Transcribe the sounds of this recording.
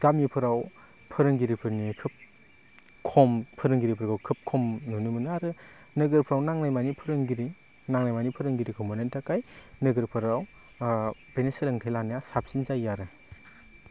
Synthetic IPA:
ɡ̥amipʰɯɾaw | pʰɯɾɯŋɡiɾipʰɯɾnikʰɯp̚ | kʰɔmpʰɯɾɯŋɡiɾipʰɯɾɡawkʰɯp̚kʰɔmnunɯmɯnɯaɾɯ | nɯɡɯɾpʰɯɾawnaŋnajmanipʰɯɾɯŋɡiɾi | naŋnajmanipʰɯɾɯŋɡiɾikʰɔmɯnentakajnɯɡɯɾpʰɯɾaw | beneselɯŋtʰajlanajasap̚sinzajaɾɯ

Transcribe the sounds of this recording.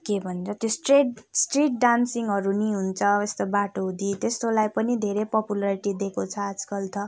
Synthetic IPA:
kebʱʌnt͡sʰʌt̪josʈreʈsʈriʈ̚ɖansiŋɡɦʌɾuniɦunt͡sʰʌest̪obaʈod̪it̪est̪olajpʌnid̪ʱeɾepʌpulaɾiʈid̪ekot͡sʰʌad͡zkʌlt̪ʰʌ

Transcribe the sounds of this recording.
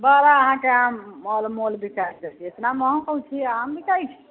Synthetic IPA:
bəɾaəɦãkeãmːolmolbʱikaiskəɾt̪iet̪naməɦɔ̃kəũt͡ʃʰiəɦambikajt͡ʃʰi̥

